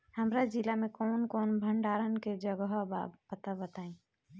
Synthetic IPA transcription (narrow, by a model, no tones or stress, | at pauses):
həmɾad͡ʒɪlamẽkɔːnkɔːnbʱəɳɖaːɾənked͡ʒəɡəɦbapət̪abət̪aːẽ